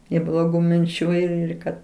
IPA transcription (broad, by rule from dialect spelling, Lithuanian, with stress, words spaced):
ɪ blˠoːˈɡuː mʲɪnʲˈt͡ʃʲuː ɪr ɪr ˈkɐt